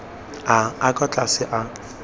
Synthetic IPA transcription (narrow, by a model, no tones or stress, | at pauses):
aakʼɔt͡ɬʼasɪʔa